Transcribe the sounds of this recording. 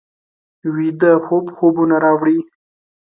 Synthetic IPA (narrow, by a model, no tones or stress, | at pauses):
wid̪axobxobunaɾɑwɽi